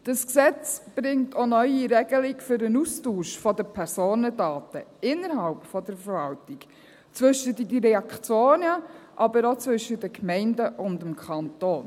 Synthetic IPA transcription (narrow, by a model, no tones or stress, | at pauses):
d̥əsksɛt͡sb̥ɾɪŋtʰɔnœʏiɾɛɡ̥əlɪɡfʏɾənustuːʃfɔdəpʰɛɾsoːnədɑːtəɪnːəɾɦɑlpfɔdəɾfəɾvɑltɪɡ̥ | t͡sʋʏʃətədəɾɛɑkt͡sjoːnəʔɑbəɾot͡sʋʏʃːədəkmɛɪndəʔʊndəmkʰɑntoːn